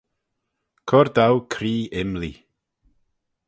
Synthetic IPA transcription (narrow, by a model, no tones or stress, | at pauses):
kʰɔɾd̪awkʰɾiːɪmli